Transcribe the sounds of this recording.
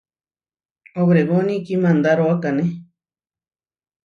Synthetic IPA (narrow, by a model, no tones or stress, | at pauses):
oβɾeɣonĩkimãnd̪aɾoakanẽ